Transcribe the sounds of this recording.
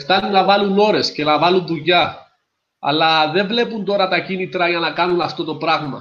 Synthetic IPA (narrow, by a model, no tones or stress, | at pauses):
ft̪ɐnunːɐvɐluno̞ɾe̞sce̞nɐvɐlunðuʝɐ | ɐ̰lɐðe̞ɱvle̞punt̪o̞ɾɐt̪ɐcinit̪ɾɐʝɐnɐkɐnunɐft̪o̞t̪o̞pɾɐɣmɐ̰